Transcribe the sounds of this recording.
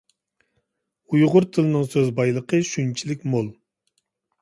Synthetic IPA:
ujʁʊɾt̪ʰɨlˠɨnɨŋsøzbɑjlˠəqʰəʃynt͡ʃʰilɪkʲmolˠ

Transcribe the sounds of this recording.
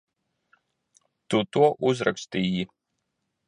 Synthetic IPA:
t̪ut̪uɔʔuzɾa̰kst̪iːji

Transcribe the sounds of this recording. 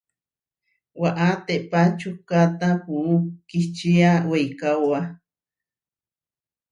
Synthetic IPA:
waʔat̪eʔpat͡ʃukat̪apuukit͡ʃiawejkawa

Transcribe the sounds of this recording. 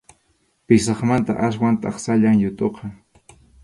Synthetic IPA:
pɪsɑχmant̪a̰ʔas̬want̪ɑχsaʎaŋjʊt̪ʼoqɑ

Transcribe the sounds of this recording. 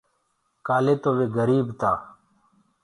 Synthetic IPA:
kaːleːt̪oːʋeːɡəɾiːbt̪aː

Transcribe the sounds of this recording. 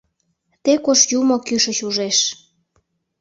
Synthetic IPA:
t̪ekoʃjumokyʃət͡ɕuʒeʃ

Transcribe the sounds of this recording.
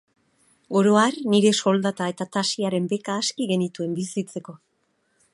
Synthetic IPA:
ɡo̞ɾo̞arniɾe̞so̞ld̪at̪ae̞t̪at̪asiaɾe̞mbe̞kaːskiɣe̞nit̪ue̞mbisit͡se̞ko̞

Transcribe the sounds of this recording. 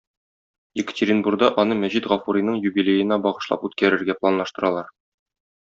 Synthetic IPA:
ɪkɘ̥̆tʲɪɾʲinburɡ̚d̪ɑʔɒnɤmæʑit̪ʁɒfuɾinɤɴjubilʲejɘ̆næbɒʁɤ̆ʃlˠɑ̰pʉt̪kæɾɘ̆ɾɡæplˠanlˠɑʃt̪ɤ̆ɾɑlˠɑɾ

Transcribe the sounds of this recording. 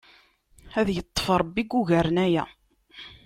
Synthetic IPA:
æðjət̪ˤːə̥fɾˤəbːiɡːuʝæɾənæjæ

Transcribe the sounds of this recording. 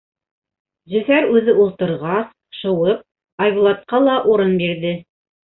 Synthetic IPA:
zɵ̆θæɾʉðɘulˠt̪ɤ̆ɾʁɑs | ʃɤ̆wɤp̚ | ɑjβulˠɑt̪̚qɑlˠɑʔuɾɤnbiɾðɘ

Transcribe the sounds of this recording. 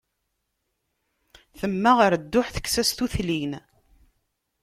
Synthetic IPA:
θəmːæʁəɾd̪ːʊħθə̥kːsæst̪uθlin

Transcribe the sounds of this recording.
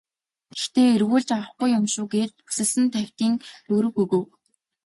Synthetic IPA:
ext̪eːirɣuːɮt͡ɕawə̆χɡʊjːʊmʃʊːɡeːt͡ɕu̥sɘ̆ɮsɘ̆nt̪ʰæw̥ʲt̪iːŋt̪ɵɾɵ̆xuɣɵ̆w

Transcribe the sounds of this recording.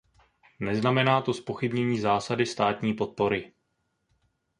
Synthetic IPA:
nɛznamɛnaːt̪o̞spo̞xɪbɲɛɲiːzaːsadɪst̪aːt̪ɲiːpo̞t̪̚po̞ɾɪ

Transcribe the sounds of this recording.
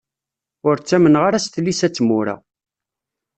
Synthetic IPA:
ʊɾt͡sːæmənʁaɾæst̪lːisæt͡sːmʊɾa̰

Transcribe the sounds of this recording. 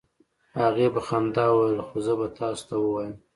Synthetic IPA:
haɣebaxand̪ɑwəlxozəbat̪ɑso̥t̪ʰawəwɑjəm

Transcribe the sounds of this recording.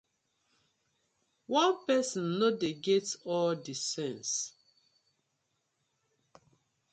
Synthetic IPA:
wãnpɛsɔ̃nːodeɡetɔldisɛ̃ns

